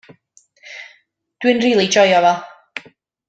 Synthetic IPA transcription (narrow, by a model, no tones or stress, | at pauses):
d̥wɨnriːlˠid͡ʒɔjɔvɛlˠ